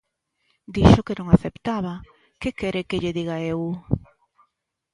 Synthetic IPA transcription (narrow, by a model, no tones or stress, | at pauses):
d̪iʃokenõŋaθept̪aβa | kekɛɾekeʎeðiɣaew